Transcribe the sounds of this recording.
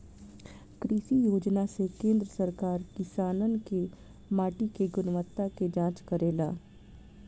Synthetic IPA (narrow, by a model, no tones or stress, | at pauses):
kɾiːʃijoːd͡ʒnasekẽːnd̪ɾəsɐɾkaːɾkɪsaːnənke | maːʈikeɡʊnʋət̪ːaked͡ʒãːt͡ʃkɐɾeːlaː